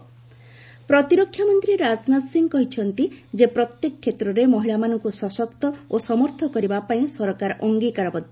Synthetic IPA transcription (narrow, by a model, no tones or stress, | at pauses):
pɾɔt̪iɾɔkʰːjamɔnt̪ɾiɾad͡ʒnat̪siŋɡkɔɦit͡ʃʰɔnt̪id͡ʒepɾɔt̪jekɔkʰːet̪ɾɔɾemɔɦilamanɔŋkusɔsɔkt̪ɔosɔmɔɾt̪ʰɔkɔɾibapaĩsɔɾɔkaɾʔɔŋɡikaɾɔbɔd̪ʱɔ